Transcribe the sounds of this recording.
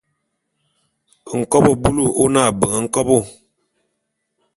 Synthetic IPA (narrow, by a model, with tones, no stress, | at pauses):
ŋ̩˨kɔ˦bɔ˦bu˦lu˦˨o˦na˦˨bə˨ŋə˨ŋ̩˦kɔ˦bo˦˨